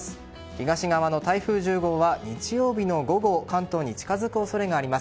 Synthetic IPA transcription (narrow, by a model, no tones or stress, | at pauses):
sɨ̥ | çiɡaɕiɡaβano̞t̪aiɸɯ̟ːʑɨːɡo̞ːβaɲit͡ɕijo̞ːbʲino̞ɡo̞ɡo̞kãnt̪o̞ːɲ̟it͡ɕi̥kazɨkɯ̟oso̞ɾe̞ɡaːɾʲimas